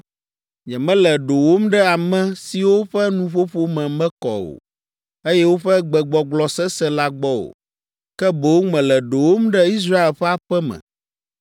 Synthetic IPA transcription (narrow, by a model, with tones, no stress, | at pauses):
ɲɛ̃˨mɛ̃˦lɛ˨ɖo˨wo˦mɖɛ˦a˨mɛ̃˦si˨wo˦ɸɛ˦nũ˦ɸo˦ɸo˦mɛ̃˨mɛ̃˦kɔ̰˨o̰˨ | e˦jɛ˦wo˦ɸɛ˦ɡ͡bɛ˨ɡ͡bɔ˨ɡ͡blɔ˨sɛ˦sɛ˦la˦ɡ͡bɔ˦o̰˨ | kɛ˦bɛ˨wo˦ŋɛ̃˨lɛ˨ɖo˨wo˦mɖɛ˦i˦s̬ɾa˦e˨lɸɛ˦a˦ɸɛ˦mɛ̰̃˨